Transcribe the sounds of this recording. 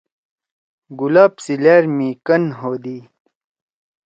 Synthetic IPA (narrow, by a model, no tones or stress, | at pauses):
ɡulaːpsileːɾmiːkɐnɦoːd̪iː